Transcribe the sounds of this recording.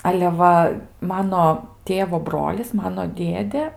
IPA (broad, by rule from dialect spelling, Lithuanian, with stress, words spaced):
ɐlʲɛ ˈʋɐ ˈmɑːnoː ˈtʲeːʋoː ˈbroːlʲɪs ˈmɑːnoː ˈdʲeːdʲeː